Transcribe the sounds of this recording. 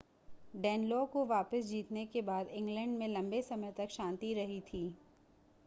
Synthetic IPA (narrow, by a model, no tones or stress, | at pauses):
ɖɛːnlɔːkoʋaːpəsd͡ʒiːt̪nekebaːd̪ɪ̃ŋɡlɛ̃ɳɖmẽlɐ̃mbesɐməjt̪ɐkʃãːnt̪iɾɐɦit̪ʰiː